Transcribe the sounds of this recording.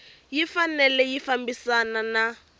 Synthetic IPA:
jifanɛlɛjifambisanana

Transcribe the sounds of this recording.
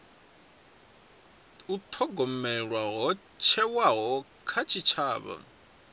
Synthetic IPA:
ut̪ʰɔɡɔmɛɺwaɦɔ | t͡ʃʰɛwaɦɔ | kʰat͡ʃʰit͡ʃʰaːβa̰

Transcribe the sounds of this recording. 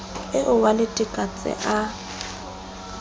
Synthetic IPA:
ɪʔʊwalɪtʼikʼat͡sʼɪ̰ʔa

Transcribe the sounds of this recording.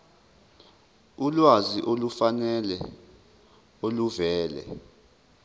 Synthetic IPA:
ulwaziʔolufanɛlɛ | oluvɛːlɛ̰

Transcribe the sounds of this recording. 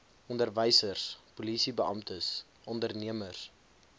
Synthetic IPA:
ʔɔndərvəjsərspulisibəɑmtəs | ʔɔndərniəmərs

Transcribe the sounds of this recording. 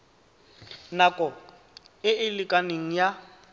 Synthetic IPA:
nakʼɔ | ɪɪlɪkʼaneŋ̩ja

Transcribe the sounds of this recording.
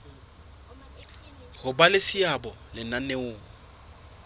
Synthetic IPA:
ɣʊbalɪsɪabɔlɪnaneʊːŋ̩

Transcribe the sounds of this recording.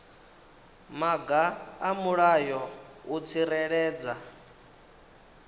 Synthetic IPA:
maɡaamuɺajɔut͡sʰiɾɛɺɛːd͡za

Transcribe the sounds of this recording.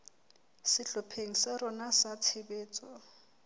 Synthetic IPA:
sɪɬɔpʰeŋ̩sɪɾʊnasat͡sʰɪbeːt͡sʼɔ

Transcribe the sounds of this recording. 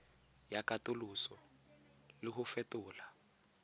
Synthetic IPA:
jakʼatʊlusɔ | lɪχʊfɛtʊːla

